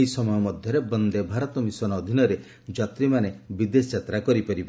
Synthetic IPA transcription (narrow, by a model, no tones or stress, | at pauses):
isɔmɔjɔmɔd̪ʱjɔɾebɔnd̪ebʱaɾɔt̪ɔmisɔnɔːd̪ʱinɔɾe | d͡ʒat̪ɾimanebid̪esd͡ʒat̪ɾakɔɾipɔɾiba